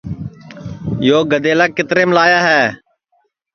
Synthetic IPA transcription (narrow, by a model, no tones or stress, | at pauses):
joːɡəd̪eːlaːkːɪt̪ɾeːməlaːjaːɦɛː